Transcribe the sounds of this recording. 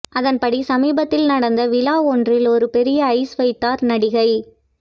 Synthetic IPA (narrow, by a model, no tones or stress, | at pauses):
ʔɐðɐnpɐɽisɐmiːbɐt̪ːɪlnɐɽɐnd̪ɐʋɪlaːɔndrɪlɔɾɯpɛɾɪjɐːɪsʋɐɪt̪ːaːɾnɐɽɪɣɐɪ